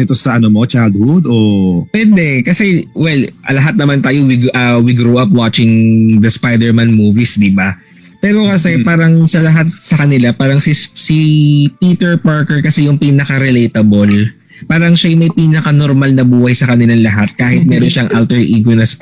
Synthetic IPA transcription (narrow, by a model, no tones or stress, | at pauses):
ɪt̪osɐʔɐnomot͡ʃad̪hud̪opwɛd̪ɛkɐsɛwɛlɐlɐɦat̪̚nɐmant̪aːjo̞wiɡʔɐwiɡɾuːʔap̚wat͡ʃɪŋd̪ɐspajd̪ɛɹmanmuːvisd̪iba | pɛːɾo̞kɐsɛpaːɾɐŋsɐlɐɦat̪̚sɐkɐnɪlapaːɾɐŋsisipiːt̪ɛɹpaɹkɛɹkɐsɛjʊŋpiːnɐkɐɾɛlejt̪ɐbol | paːɾɐŋʃajʊŋmɐjpiːnɐkɐnoɾmalnɐbuːhɐjsɐkɐnɪlaŋlɐɦat̪̚kaːhɪt̪̚mɛːɾonʃaŋʔalt̪ɛɹʔiːɡonɐs